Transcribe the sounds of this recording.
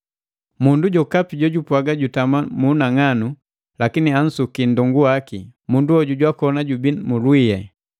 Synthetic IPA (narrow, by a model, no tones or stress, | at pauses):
munduɟɔkapiɟɔɟupwaɡaɟutamamunaŋanu | lakinian̩sukindɔŋɡuwakimunduɔɟuɟwakɔnaɟubimulwiɛ